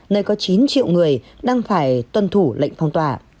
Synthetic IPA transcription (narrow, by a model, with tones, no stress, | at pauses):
nəː˧jkɔ˨˦t͡ɕi˨˦nt͡ɕḭ˧˨wŋɨ˨˩əj | ɗaː˧ŋfaː˧˩jt̪wə˧˩nt̪ʰu˧˩lə̰˧˨jŋ̟fa˧wŋ͡mt̪waː˧˩